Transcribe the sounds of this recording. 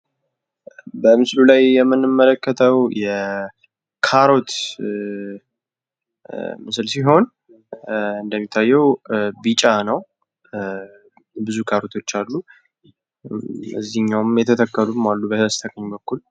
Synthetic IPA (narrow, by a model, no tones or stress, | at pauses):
bəmɨslulajːɛmːɨnːɨmːələkʰːət̪ʰəwjɛ | kʰaɾo̞t̪ | mɨsɨlsiɦo̞n | ɨnd̪əmːit̪ʰːajːɛwbit͡ʃʼanəw | bɨzukʰaɾo̞t̪ʰo̞t͡ʃːalːu | ɨ̰zːiɨɲːawmjɛt̪ʰət̪ʰəkːəlumalːubəhəst̪ʰəkəɲbəkːul